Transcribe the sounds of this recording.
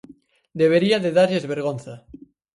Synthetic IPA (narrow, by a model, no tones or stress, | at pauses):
d̪eβ̞eɾiaðeðaɾʎezβeɾɣ̞onθa